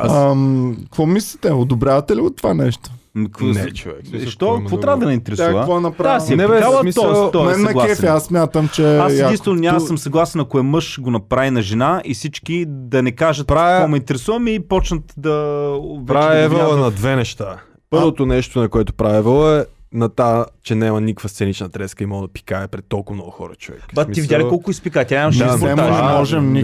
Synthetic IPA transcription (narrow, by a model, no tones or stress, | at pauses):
a̰mkvɔmislʲit̪ɛod̪obɾjavɐt̪ɛliot̪ːovanɛʃt̪o̥mkvɛʃt̪ɔvɔɾavəd̪ɐnɛint̪ɛɾɛsvəvɔnɐpɾasiɛɛɛalˠmit̪ɔɛt̪ɔɛnːɐkɡ̪ˠlˠaɛfiassmʲjat̪əmt͡ʃɛadaint̪vɛnonʲamsəmsɐɡlˠasɛnɐkʊɛmɤʃɡonɐpɾavinɐʒɛnaisit͡ʃkid̪ɐnɛkaʒət̪̚ːɾakomɛint̪ɛɾɛsuvɐmipɔt͡ʃnət̪d̪ɐovɛɾaɛvɛlˠnɐd̪vɛnɛʃt̪a | pɤɾvot̪onɛʃt̪onɐkoɛt̪ʊ̥pɾavɛvɛlˠoɛnɐt̪at͡ʃɛnɛmɐnikəkvəst̪sɛnit͡ʃnɐt̪ɾɛskəimɔɡd̪ɐpi̥kaɛpɾɛt̪̚t̪ːɔlˠkʊvmnɔɡʊxɔ̰ɾɐ̰t͡ʃovɛ̰kbaivid̪ʲjalʲikɔlˠkʊispikat̪ʲɛnɛmɐʃpoɾɛaʒmɔʒɛmni